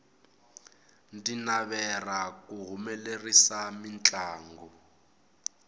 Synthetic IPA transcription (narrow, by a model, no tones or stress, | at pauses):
ndinaβɛrakuɦumɛlerisamint͡ɬʼaːŋɡɔ